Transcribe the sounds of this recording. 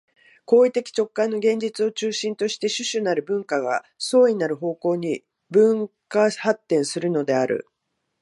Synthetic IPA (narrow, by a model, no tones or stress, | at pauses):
ko̞ːit̪e̞kʲi̥t͡ɕo̞kːãnːo̞ɡẽ̞ɲ̟d͡ʑit͡sɨo̞t͡ɕɨːɕĩnt̪o̞ɕi̥t̪e̞ɕɨɕɨnaɾɯ̟bɯ̟̃ŋkaɡa̰ | so̞ːɲ̟inaɾɯ̟ɦo̞ːko̞ːɲ̟i | bɯ̟̃ŋkahat̪ːẽ̞ɰ̃sɨɾɯ̟no̞d̪e̞aɾɯ̟̰